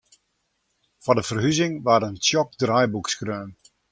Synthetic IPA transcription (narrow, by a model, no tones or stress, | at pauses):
fɔndəfərɦyzɪŋʋaːɾənsjɔk̚drajbukskrøːm